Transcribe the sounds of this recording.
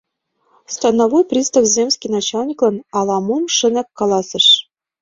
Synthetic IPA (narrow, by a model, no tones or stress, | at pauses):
st̪ɑnɑvojprʲist̪ɑfzʲemʲsʲkʲijnɑt͡ɕɑlʲnʲiklˠɤ̆nɑlˠɑmumʂɘ̆nækːɑlˠɑsɤ̆ʂ